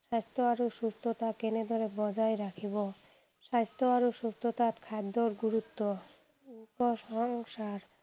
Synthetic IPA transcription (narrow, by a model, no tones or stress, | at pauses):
ʃast̪ʰoaɾoʃust̪ʰot̪akened̪ʱɔɾebɔd͡ʑajɾakʰibo | ʃast̪oaɾoʃust̪ʰot̪at̪kʰad̪ːoɾɡuɾut̪ːo | upoʃɔŋsaɾ